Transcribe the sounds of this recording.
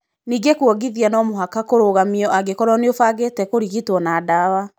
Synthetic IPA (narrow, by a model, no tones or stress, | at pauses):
niːɡekuɔɡiðianɔmoɦakakoɾoɣamiɔʔaɡekɔɾɔneofaɣeːtɛkoɾiɣitwɔnadawa